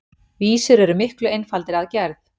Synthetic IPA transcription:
viːsʏɾɛɾʏmɪhklʏejnfalt̪ɪɾaðcɛɾθ

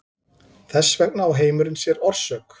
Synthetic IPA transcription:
θɛsːvɛk̚naawɦeːjmʏɾɪnsjɛɾɔɾ̥sœːk

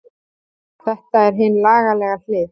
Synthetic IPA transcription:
θɛht̪aɛɾ̥ɦɪnlaːɣalɛːɣal̥ɪːð

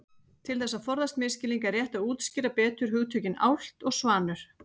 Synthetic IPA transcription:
t̪ʰɪlθɛsːaðfɔɾðast̪mɪːscɪliŋkaɛɾjɛht̪auːt̪scɪːɾapɛːt̪ʏɾ̥ɦʏɣt̪ʰœɥcɪna̰wl̥t̪ɔɣsvaːnʏɾ̥

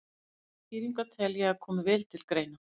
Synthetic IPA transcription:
tiːɾiŋkat̪ʰɛljaakʰɔːmɪvɪlt̪ʰɪlkɾejna

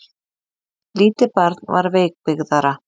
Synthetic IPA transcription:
liːt̪ɪpaɾt̪nva̰ɾveːjk̚pɪɣðaɾa

